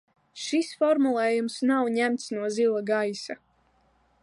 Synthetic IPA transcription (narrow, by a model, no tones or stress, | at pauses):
ʃisfɔɾmulˠɛːjumsnawɲæmt̪snuɔzilˠaɡajsa